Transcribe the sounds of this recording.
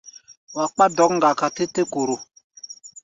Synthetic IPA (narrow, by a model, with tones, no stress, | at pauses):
wa˨k͡pa˦dɔ˨˦kŋ̩˦ɡa˨ka˨te˦te˦ko˨ɾo˨